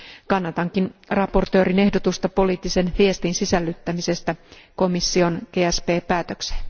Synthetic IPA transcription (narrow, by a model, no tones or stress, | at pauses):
kɑnːɑt̪ɑŋkinrɑpo̞rt̪ø̞ːɾine̞hdot̪ust̪ɑpo̞liːt̪ːise̞nʋie̞st̪insisælːyt̪ːæmise̞st̪æko̞misːio̞nkeːæspe̞ːpæːt̪ø̞ksen